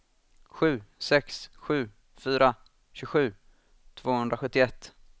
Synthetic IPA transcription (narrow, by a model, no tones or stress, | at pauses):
ɧʉ̟ːsɛksɧʉ̟ː | fyːɾa | ɕʉ̟ɡɧʉ̟ː | t̪ʰv̥oːhɵnd̪ɾaɧɵt̪ːɪɛt̪ː